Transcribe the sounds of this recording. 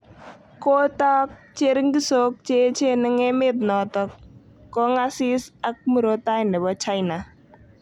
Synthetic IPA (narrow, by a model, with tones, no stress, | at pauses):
ko˦ta˦k̚t͡ʃe˦ɾɪ˦ŋɡi˦so˦k̚t͡ʃe˦t͡ʃe˦nɪ˦ŋɛ˦mɪ˦t̪̚nɔ˨tɔ˦kː | ɔ˦ŋa˦sɪ˦sa˦k̚mu˨ɾo˦t̪a˦jnɛ˨bɔ˦t͡ʃa˦jna˨